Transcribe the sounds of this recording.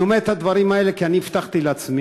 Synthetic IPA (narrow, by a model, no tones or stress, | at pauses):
omeet̪had̪vaɾimaelekianiːft̪aχt̪ileat͡smi